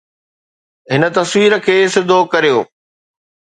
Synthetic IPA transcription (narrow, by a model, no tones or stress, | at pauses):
ɦɪnə̆t̪ɐsʋiːɾə̆kʰeːsɪd̪ʱokɐɾijoː